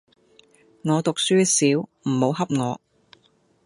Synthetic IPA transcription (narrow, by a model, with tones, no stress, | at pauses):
ŋɔː˨˧t̪ʊ˨k̚syː˥siː˨˥wm̩˨˩ho˨˧˥wɦɐ˥p̚ŋɔː˨˧